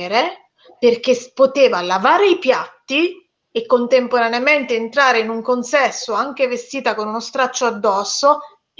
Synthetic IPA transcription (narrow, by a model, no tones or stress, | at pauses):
ɾe | perk̟epot̪eːvalavaːɾeipjat̪ːi | ekːont̪empoɾaneament̪eːnt̪ɾaːɾeinuŋkonsɛsːoaŋk̟evest̪iːt̪akonunost̪ɾat͡ʃːoad̪ːɔsːo